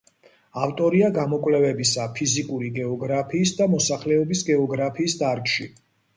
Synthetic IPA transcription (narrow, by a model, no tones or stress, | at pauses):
aft̪ʼɔɾiaɡamɔkʼwlɛvɛbisapʰizikʼuɾiɡɛɔɡɾapʰiːsd̪amɔsaχlɛɔbisɡɛɔɡɾapʰiːsd̪aɾkʼʃḭ